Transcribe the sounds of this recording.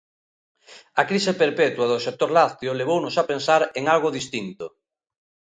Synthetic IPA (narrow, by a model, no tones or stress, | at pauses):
akɾisepeɾpɛt̪waðʊsek̚t̪oɾlaθjoleβ̞ownʊsapensaɾeŋalɣoðist̪int̪o